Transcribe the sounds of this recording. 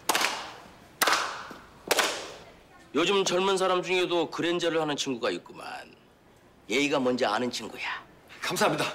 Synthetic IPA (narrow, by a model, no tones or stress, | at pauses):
jod͡ʑɯmt͡ɕʌɭmuns̬ʰaɾamd͡ʑuŋe̞dokɯɾe̞nd͡ʑʌɾɯɭhanɯnt͡ɕʰinɡuɡaik͈ɯma̰n | je̞iɡamʌnd͡ʑʌanɯnt͡ɕʰiŋɡuja | kamsʰaɦmɲida